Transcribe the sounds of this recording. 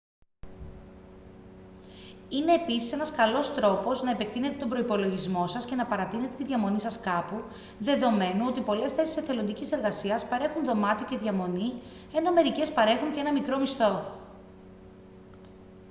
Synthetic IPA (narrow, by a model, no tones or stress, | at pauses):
ine̞ːpisi̥se̞nɐskɐlo̞st̪ɾo̞po̞znɐepek̚t̪ine̞t̪e̞t̪o̞mbɾo̞ipo̞lo̞ʝizmo̞sɐsce̞nɐpɐɾɐt̪ine̞t̪et̪iðʝɐmo̞nisɐskɐpu | ðe̞ðo̞me̞nuo̞t̪ipo̞le̞sθe̞siseθe̞lo̞nd̪icise̞ɾɣɐsiɐspɐɾe̞xunðo̞mɐt̪oceðʝɐmo̞ni | e̞no̞me̞ɾice̞spɐɾe̞xuɲceenɐmikɾo̞mist̪o̞